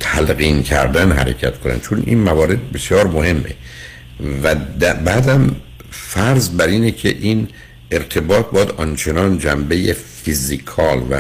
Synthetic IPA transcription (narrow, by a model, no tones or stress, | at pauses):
t̪ʰælɣiːncʰæ̰ɾd̪ænɦæ̰ɾe̞̰cʰæ̰t̪kʰonæ̰nt͡ʃʰonʔḭnmævɒːɾe̞d̪̚be̞sjɒːɾmohe̞mːʔḛ | væd̪æbæːd̪æm | fæɾzbæɾiːnecʰḛʔin | ʔe̞ɾt̪ʰe̞bɒːt̪̚bɒːjæd̪ɒnt͡ʃʰenɒːnd͡ʒæmbe̞jefizikʰɒːlvæ̰